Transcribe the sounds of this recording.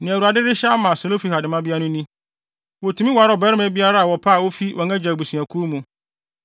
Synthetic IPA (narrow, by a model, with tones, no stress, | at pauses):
nɪ̃˨æ˨u˨a˨dɪ˦ɾɪ˦ɕɛ˦a˦mã˨so˨lo˦fi˨˦ha˨dɪ˨mã˦bi˦a˦nʊ̃˦nĩ˦ | wɔ˨tʰũ˨mĩ˦wɔ˨˦ɾɔ˨bɛ˦ɾɪ˦mɛ̃˦bi˦a˦ɾa˦a˨wɔ˨pʰa˦˨wo˦fi˦wʔɔ̃˨ŋɛ̃˦d͡ʑa˨bu˨sĩ˨æ̃˨kʰu˦mũ˨